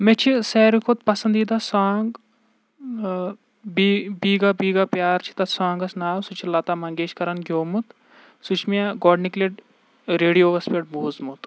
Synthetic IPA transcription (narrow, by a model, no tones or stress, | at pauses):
met͡ʃʰisɛːɾikʰot̪pɐsɐnd̪iːd̪ɐsaːŋɡ | bibiːɡabiːɡapjaːɾt͡ʃʰi̥t̪ɐsãːŋɡɐsnaːwsut͡ʃʰilɐt̪aːmɐŋɡeːt͡ʃkɐɾɐnɡʲoːmut̪ | sut͡ʃʰmiaɡɔːɖnikleʈ | ɾeːɽijoːʋɐspeʈ̚buːzmut̪